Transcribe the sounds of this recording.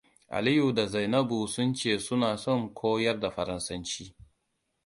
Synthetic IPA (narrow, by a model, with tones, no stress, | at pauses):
ʔa̰˨li˦ju˨da˨za˨jnɐ˦bu˨sʊ˦nt͡ʃeː˦˨sʊ˦naː˨sɔ˦˨ŋkʷʰoː˦jɐ˦rda˨ɸɐ˨ɾɐ˦nsɐ˦nt͡ʃiː˦